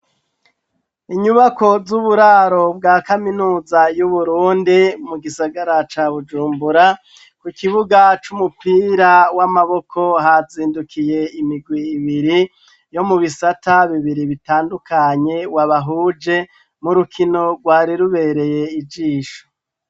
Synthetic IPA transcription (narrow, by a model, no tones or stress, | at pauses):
iɲuβako̞zuβuɾaːɾo̞bɡaːkaminuːzajuβuɾuːndimuɡisaɡaɾat͡ʃaβud͡ʒuːmbuɾa | kukiβuɡat͡ʃumupiːɾawamaβo̞kʰo̞ɦaziːndukʰije̞imiɡwiːβiɾi | jo̞muβisataβiβiɾiβitaːndukaɲe̞waβaɦuːd͡ʒe̞ | muɾukʰino̞ɡwaːɾiɾuβe̞ɾe̞je̞id͡ʒiːʃo̥